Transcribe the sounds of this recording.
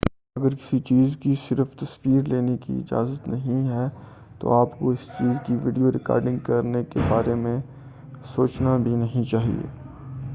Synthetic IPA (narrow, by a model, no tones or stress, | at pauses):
ɐɡəɾkɪ̥sit͡ʃiːzkisɪɾft̪ɐsʋiːɾleːnekḭɪ̰d͡ʒa̰ːzət̪nɐɦĩɦɛ | t̪o̰aːpkoɪst͡ʃiːzkiʋiːɖijoɾɪka̰ːɾɖɪ̃ŋɡkɐɾnekebaːɾemẽ | soːt͡ʃnabʱinɐɦĩt͡ʃaːɦḭḛː